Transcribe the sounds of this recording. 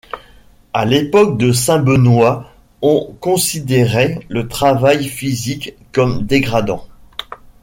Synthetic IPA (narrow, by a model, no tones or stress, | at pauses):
a̰lepɔk̚d̪əsɛ̃bənwa | ɔ̃kɔ̃sid̪eʁɛlət̪χavajfizikː | ɔmd̪eɡʁad̪ɑ̰̃